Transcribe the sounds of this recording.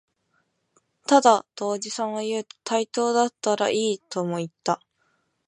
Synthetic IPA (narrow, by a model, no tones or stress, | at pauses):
t̪ad̪ad̪̥o̞ːd͡ʑisãɰ̃ojɯ̟ːt̪o̥t̪ʰait̪o̞ːd̪at̪ːaɾa̰ʔiːt̪o̞mo̞it̪ːa